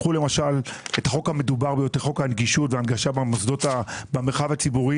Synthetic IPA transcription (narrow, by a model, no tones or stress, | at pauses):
χule̞maʃalethaχo̞khame̞dubaʁbejot̪eʁχo̞khaːnɡiʃutveanɡaʃabamosd̪o̞tabameχavat͡sibuʁi